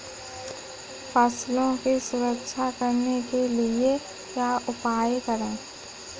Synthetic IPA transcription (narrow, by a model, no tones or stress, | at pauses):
pəslõkisʊɾəkʃʰakəɾnekelie | jaʔʊpaːjkəɾẽː